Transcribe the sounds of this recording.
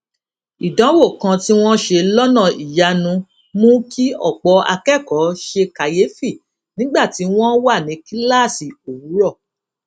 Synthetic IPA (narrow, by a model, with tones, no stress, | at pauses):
i˨dã˨˦wo˦˨kã˧ti˦w̃ɔ̃˦ʃe˧lɔ˦nã˦˨i˨ja˧nũ˧ | mũ˦ki˦ɔ̰˦˨k͡pɔ˧˦a̰˧kɛ˦˨kɔ˨˦ʃe˧ka˨je˨˦fi˦˨ | nĩ˨˦ɡ͡ba˦˨ti˨˦w̃ɔ̃˦wa˦˨nĩ˨˦ki˦la˦˨si˨o˨wu˨˦ɾɔ˦˨